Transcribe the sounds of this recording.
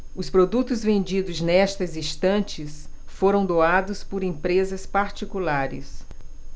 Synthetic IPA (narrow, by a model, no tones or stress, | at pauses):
ʊspɾod̪ut̪ʊzvẽnd͡ʒid̪ʊznɛst̪ɐzĩst̪ɐ̃nt͡ʃɪs | foɾɐ̃w̃d̪oad̪ʊspʊɾẽpɾezɐspaɾt͡ʃikulaɾɪ̰s